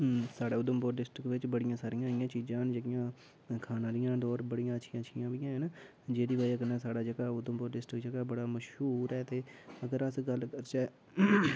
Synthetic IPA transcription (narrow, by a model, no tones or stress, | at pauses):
saːɽeːʊd̪əmboːɖɪsʈɾɪkʋɪt͡ʃbəɽɪjãːsaːɾɪjãːɪjãːt͡ʃiːd͡ʒãːnd͡ʒəɡɪjãː | kʰaːnaːlɪjãːd̪ɔːɾbəɽijãːətːʃʰɪjãːət͡ʃʃʰɪjãːbijãːɦɛn | d͡ʒeːɾiːbaːikənaːsaːɽaːd͡ʒəɡaːʊd̪əmboːɖɪsʈɾəkd͡ʒəɡaːbəɽaːməʃɦuːɾɛːt̪eːəɡəɾəsɡəlkəɾt͡ʃɛː